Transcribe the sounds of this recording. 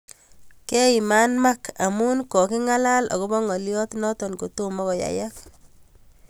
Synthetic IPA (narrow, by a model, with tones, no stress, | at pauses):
kɛ˦i˨ma˦nma˦kʰa˨mu˦nkɔ˨ki˦ŋa˦la˦lɔ̰˨kɔ˦bɔ˦ŋɔ˨ljɔ˦tnɔ˦tɔ˨nko˨tomɔ˦kɔ˨ja̰˨ja˦k